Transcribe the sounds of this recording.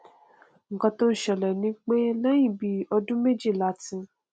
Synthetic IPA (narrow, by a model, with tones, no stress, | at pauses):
ŋ̩˨kɔ̃˧to˦n̩˦ʃɛ˨lɛ˨nĩ˨˦k͡pe˦lã˦jĩ˦˨bi˨˦ɔ˧dũ˦me˦d͡ʒi˦˨la˨˦tĩ˧